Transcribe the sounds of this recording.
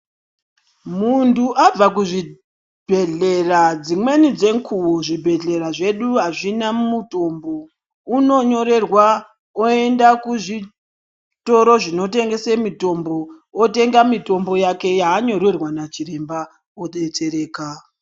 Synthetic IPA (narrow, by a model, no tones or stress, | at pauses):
muntuʔab͡vak̬uʐi | b̥ʱe̞ɮerad͡zimwe̞nid͡ze̞ŋkʰuuʐibʱe̞ɮe̞ɾaʐe̞ɗuɦaʐinammuto̞mbo̞ | uno̞ɲo̞ɾe̞rwa | oe̞ndakuʐi | to̞ɾo̞ʐino̞te̞ŋɡe̞semito̞mbo̞ | ote̞ŋɡamito̞mbo̞jake̞jaːɲo̞ɾerwanat͡ʃiɾe̞mba | oɗet͡se̞ɾe̞ːka